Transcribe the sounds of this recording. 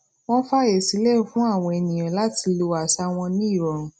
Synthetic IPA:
w̃ɔ̃˦fa˦e˨si˨˦le˦˨fũ˨˦a˦˨w̃ɔ̃˧ɛ˧˨nĩ˨jã˨la˨˦ti˧lo˧a˨sa˧w̃ɔ̃˧nĩ˦i˦˨ɾɔ̃˨ɾũ˨

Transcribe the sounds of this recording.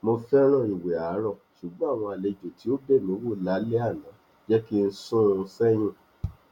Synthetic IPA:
mo˧fɛ˦ɾ̃ã˦˨i˨we˨a˨˦ɾɔ˦˨ʃu˨ɡ͡bɔ̃˦a˦˨w̃ɔ̃˧a˨le˨d͡ʒo˨ti˨˦o˦be˦˨mĩ˨˦wo˦˨la˨˦le˦a˦˨nã˨˦ | d͡ʒɛ˦ki˦n̩˦sũ˦˧˦fɛ˦j̃ĩ˦˨

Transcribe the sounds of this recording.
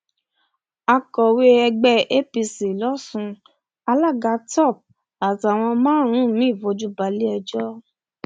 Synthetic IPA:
a˧kɔ˨we˧˦ɛ˧ɡ͡bɛ˦˧e˦pi˧si˨lɔ˦sũ˧ | a˧la˦˨ɡa˧tɔ˦˨p̚ | a˨ta˨w̃ɔ̃˧mãː˦ɾ̃ũ˨˦˨mĩ˨˦i˦˨vo˧d͡ʒu˦ba˨˦li˦ɛ˧d͡ʒɔ˦

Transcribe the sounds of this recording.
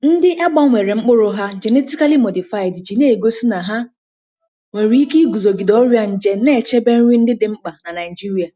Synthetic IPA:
n̩˦dɪ˦ʔa˦ɡ͡bɔ˦ŋʷe˨ɾe˨ŋ͡m̩˦k͡pʊ˦ɾʊ˦ɦa˦d͡ʒe˨ne˦ti˦ka˦li˦mo˨di˨fa˦˨ɪ˨dd͡ʒi˨ne˦e˨ɡo˦si˦na˨ɦa˦ | ŋʷe˨ɾi˨˦i˦ki˦ɡu˨zo˨ɡi˨dɔ˦ɾja˦n̩˨d͡ʒe˦ne˦˨t͡ʃe˦be˦n̩˦ɲʷi˦n̩˦dɪ˦dɪ˨ŋ͡m̩˦k͡pa˨na˨na˨i˨d͡ʒi˦ɾi˨a˨

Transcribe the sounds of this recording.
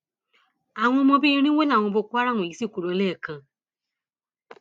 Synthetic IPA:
a˨ŋʷʊ˦mo˦bi˦ɾi˦ŋʷe˦na˨ŋʷʊ˨bʊ˨kʷa˦ɾa˦˨ŋʷʊ˨i˨si˦kʷu˨ɾo˨˦le˦˨kə˨˦

